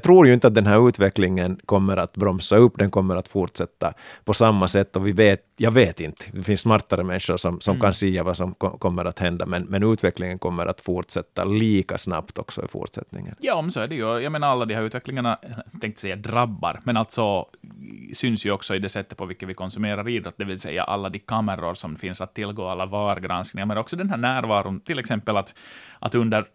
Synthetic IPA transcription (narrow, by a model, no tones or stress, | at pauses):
t̪ʰɾuːɾjɵɪnt̪əat̪̚d̪ɛnɦæːɾʉ̟ːt̪vɛklɪŋənkʰɔmːəɾat̪bɾɔmsaɵpːd̪ɛnkɔmːəɾat̪fuɾʈ̪sɛt̪ːapʰɔsamːasɛt̪ːɔvɪveːt̪jɑːɡveːt̪ɪnt̪ə̥d̪ɛfɪnsːmaɾt̪aɾəmɛnʂʊɾʂɔmsɔmkansɛjːavasɔmkɔkʰɔmːəɾat̪hɛnd̪amɛnmɛnʉ̟ːt̪vɛklɪŋənkʰɔmːəɾʔa̰t̪fuɾʈ̪sɛt̪ːa̰liːka̰sna̰pt̪ʰɔksɔ̰ɪ̰fṵɾt̪sɛ̰t̪nɪ̰ŋːə̰njɑːmɛnsoːæɖɛjʉjaɡmeːnaɾalːad̪ɪhaɾʉ̟ːt̪vɛklɪŋaɳat̪ʰɛŋkt̪sɛjːadɾabːa̰ɾmɛnalt̪sɔ | sʏnsjʉɔksɔɪd̪ɛsɛt̪ːət̪pʰɔvɪkːəʋɪkʰɔnsʉmeːɾaɾiːd̪ɾɔt̪ːd̪ɛvɪlsɛ̰jːa̰ʔa̰lːad̪ɪkʰamːəɾʊɾsɔmfɪnsat̪ʰːɪlːɡoːalːavɑːɾɡɾansknɪŋamɛnɾɔksɔd̪ɛnhɦæːɳæːɾvɑːɾʊnt̪ʰɪlːɛksɛmpːəlat̪ʔa̰t̪ɵnd̪əɾ